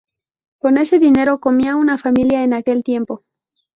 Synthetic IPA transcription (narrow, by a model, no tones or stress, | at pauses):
ko̞ne̞se̞ðine̞ɾo̞ko̞miaunafamiljaenake̞lt̪je̞mpo̞